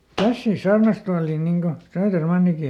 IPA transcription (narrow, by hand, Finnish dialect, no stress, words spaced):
kæsːiːs sɑːrnɑstuɑliːn niŋ ko søːtermɑnːiki